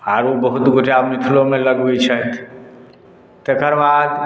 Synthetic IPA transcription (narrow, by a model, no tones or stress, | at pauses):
aːɾʋobəɦʊt̪ɡʱoʈʰeabmit̪ʰulõmẽləɡɦuit͡ʃʰəɦt̪ʰ | t̪ekəɾbaːd̪